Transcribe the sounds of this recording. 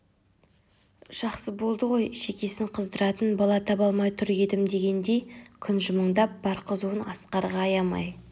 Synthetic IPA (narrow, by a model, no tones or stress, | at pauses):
ʒ̥ɑqsəbo̞lˠd̪əʁo̞jʃe̞kʲe̞sɪɴqʰəzd̪əɾɑt̪ənbɑlˠɑt̪ʰɑpɑlˠmɑjt̪ʰʏɾɡʲe̞d̪ɪmd̪e̞ɡʲe̞nd̪e̞jkʲʰʏnʒʊməɴd̪ɑp̚bɑɾqəzuənɑ̰sqɑɾʁɑːjɑmɑ̰j